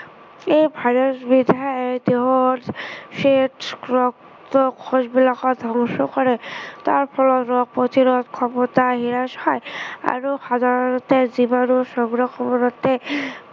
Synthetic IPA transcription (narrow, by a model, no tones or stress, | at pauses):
ejbʱajɾɔsbid̪ʱaaɔd̪eɦɔtsetɹɔk | t̪ɔkʰːɔsbilakɔd̪ʱɔŋʃɔkɔɹɛt̪aɹpʰɔlɔtɹɔk̚pɔt̪iɾɔt̪kʰɔmɔt̪aɦiɹashɔja̰ɹuxad̪ʱaɹɔnɔt̪ezibanusɔŋɡɹɔkɔmɔnɔt̪e